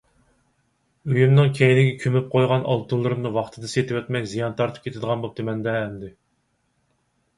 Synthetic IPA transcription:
øjymnɨŋkʲʰɛjinɪɡʲɛkʲʰømyp̚qʰojʁɑnʔɑ̰lˠt̪ʰulˠɨɾɨmnɨwɑχt̪ʰɨd̪ɨset̪ʰɪwɛt̪mɛkʲzijɑnt̪ʰɑɾt̪ʰɨp̚kʲʰet̪ɪd̪əʁɑnbop̚d̪ɨmɛnd̪ɛːmd̪ɪ

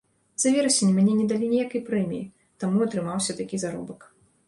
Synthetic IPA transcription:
z̥ɐvʲɛɾɐsʲenʲimʲanʲɛnʲɛd̪alʲinʲɛjakɐjpɾɛmʲiji | t̪amuɐt̪ɾɨmawsʲɐt̪akʲizaɾɔ̰bɐk

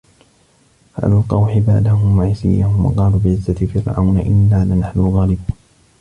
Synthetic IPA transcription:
ha̰ːlalqɑwħɪbaʕd̪ahʊmwaʕaːsɪ̰jːahʊmwɑ̰qɑːluːbɪʕɪzːat̪ɪfɪɾʕa̰wnaʔɪnːaːlɪnaħnʊɣaːlɪb

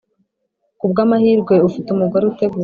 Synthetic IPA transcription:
kubɡaːmahiːɾɡwe̞ufitumuɡoɾeute̞ɡuː

